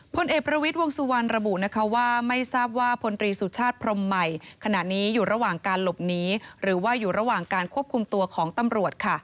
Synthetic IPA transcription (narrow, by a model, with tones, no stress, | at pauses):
pʰo˧nʔeː˨˩k̚pɾa˧wi˦˥t̪̚wo˧əŋsu˧wa˧nɾa˧bu˨˩na˦˥kʰa˦˥waː˥˩ma˥˩jsaː˥˩p̚waː˥˩pʰo˧nt̪ɾiː˧su˨˩t͡ɕʰaː˥˩t̪̚pʰɾo˧mːa˨˩jkʰa˧na˨˩niː˦˥juː˨˩ɾa˧waː˨˩ŋkaː˧nlo˨˩p̚niː˦˥ɾɯː˩˦waː˥˩juː˨˩ɾa˧waː˨˩ŋkaː˧nkʰu˥˩əp̚kʰu˧mt̪u˧ɐkʰɔː˩˦ŋt̪a˧mɾu˨˩ət̪̚kʰa˥˩